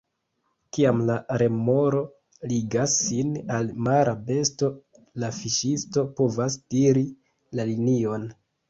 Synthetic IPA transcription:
kiamlaɾe̞mo̞ɾo̞ | liɡasːinalmaɾʔabe̞sto̞ | lafiʃisto̞po̞vasd̥iɾi | lalinio̞n

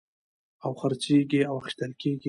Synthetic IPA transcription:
awxaɾt͡ʃeɡiawaxi̥ʃt̪əlkeɡi

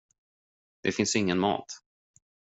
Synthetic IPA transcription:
d̪̥ɛfɪnsɪŋːənmɑ̰ːt̪

